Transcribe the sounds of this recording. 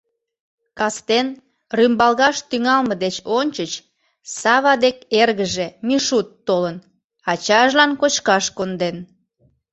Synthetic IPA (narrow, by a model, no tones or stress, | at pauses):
kɑst̪en | rymbɑlɣɑʃt̪yŋɑlməd̪et͡ɕonʲt͡ɕət͡ɕ | sɑβɑd̪ekerɣəʒemiʃut̪ːolən | ɑt͡ɕɑʒlɑnkot͡ɕkɑʃkond̪en